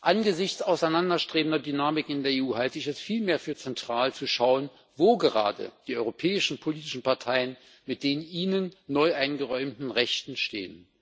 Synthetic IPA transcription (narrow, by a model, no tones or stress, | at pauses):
ʔanɡəzɪçt͡saʊsaɪnandɐʃtʁ̥eːbn̩dɐdynaːmɪkɪndeːɐeːuːhaltəɪçɛstfiːlmeːɐfyːɐt͡sɛntʁ̥aːlt͡suʃaʊən | voːɡəʁa̰ːdə̰d̥iːɔʏʁopʰɛːɪʃn̩pʰoliːtɪ̥ʃn̩paɐtʰaɪən | mɪt̚d̥eːnʔiːnənːɔʏʔaɪnɡəʁɔʏmtn̩ʁɛçtn̩ʃtḛːən